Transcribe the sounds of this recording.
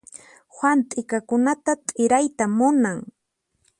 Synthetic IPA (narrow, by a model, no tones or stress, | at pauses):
xwant̪ʼɪkakʊnat̪at̪ʼɪɾajt̪amʊnaŋ